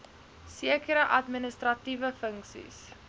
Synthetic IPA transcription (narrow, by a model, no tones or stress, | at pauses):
siəkəɾəʔɐtminəstrɐtivəfəŋksḭs